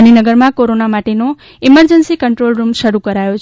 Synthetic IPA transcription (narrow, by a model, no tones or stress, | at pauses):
ninəɡəɾmãkoɾonamaʈeno | iməɾd͡ʒənsikəɳʈɾolɾumʃəɾukəɾajot͡ʃʰ